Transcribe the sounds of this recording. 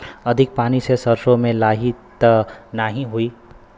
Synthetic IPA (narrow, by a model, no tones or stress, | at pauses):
ʌd̪ʱik̚panisesʌrsomelaɦit̪ʌnaɦĩɦuj